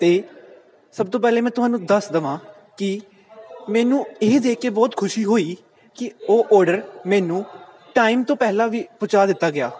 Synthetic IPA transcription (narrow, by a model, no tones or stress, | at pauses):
t̪eː | səb̚t̪õːpɛːlẽːmɛ̃ːt̪ʊɦaːnũːd̪əsd̪əʋãː | kɪ | mɛːnũːeːd̪eːkːeːbɔːt̪kʰʊʃiːɦoːiː | kɪoːʔɔːɾɖəɾmɛːnũː | ʈaːiːmt̪õːpɛːlãːʋiːpʊt͡ʃaːd̪ɪt̪ːaːɡɪaː